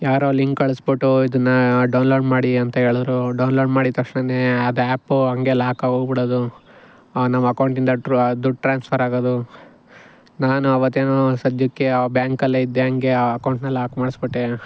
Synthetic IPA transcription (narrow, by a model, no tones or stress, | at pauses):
jaːɾoːliŋkɐɭisbiʈːuid̪ɐnːɐɖɐwnlo̞ːɖmaːɽiɐnt̪ɐɦe̞ːɭɐd̪ɾuɖɐwnloːɖmaːɽit̪ɐkʂɳɐneɐd̪ɐaːpːuɦɐŋɡelaːkɐoɡbiɽoːd̪u | nɐmːɐːkɐwɳʈind̪ɐʈd̪uɖ̚ʈɾaːnspʰɐɾaːɡoːd̪u | naːnuɐʋɐt̪ːeːnoːsɐd̪jukːebjaːŋkɐlːeid̪ːeɦɐŋɡe̞ɐkɐwɳʈnɐlːaːkɐmaːɽisbiʈːe